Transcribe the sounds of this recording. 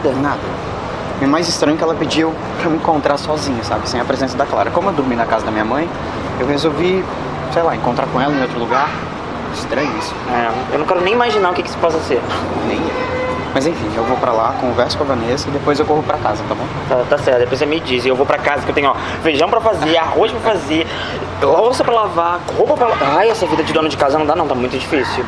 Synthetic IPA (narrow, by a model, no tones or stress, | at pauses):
d̪ɐnad̪ɐ | majzɪst̪ɾɐ̃ɲʊkɪɛlɐpid͡ʒiew | pɾɐmɪẽkõnt̪ɾaɾsɔzĩɲɐsabɪsẽj̃ɐpɾezẽsɐd̪aklaɾɐkõmʊewd̪ʊɾminɐkazɐd̪ɐmĩɲɐmɐ̃j̃ | ewhezowvi | sejlaẽŋkõnt̪ɾaɾkõɛlɐẽowt̪ɾʊluɡaɾ | ist̪ɾɐ̃ɲʊisʊ̥ɛḛwnɐ̃w̃kɛɾʊnẽj̃imaʒinaɾʊkɪksʊ̥pɔs̬ɐseɾ | nẽj̃ | mɐzẽj̃fĩewvowpɾɐlakõʊvɛɾsʊ̥kɐvɐnesɐɪd̪epojzewkohʊpɾakazɐt̪abõj̃t̪at̪asɛɾt̪d̪epojzelmɪd͡ʒisɪewvowpɾakazɐkewt̪ẽɲʊa | veʒɐ̃w̃pɾɐfazeahoʃpɾɐfaze | losɐpɾɐlava | hopɐpɾɐlaajɛsɐvid̪ɐd͡ʒɪd̪õnʊd͡ʒɪkazɐnɐ̃w̃d̪anɐ̃w̃t̪amũj̃t̪ʊd͡ʒifisʊ